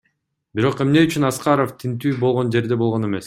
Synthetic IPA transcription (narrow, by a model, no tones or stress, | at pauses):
biɾo̞qe̞mne̞yt͡ʃynɑsqɑɾoft̪ʰint̪yːbolˠʁo̞nd͡ʒe̞ɾd̪e̞bo̞lˠʁo̞ne̞me̞s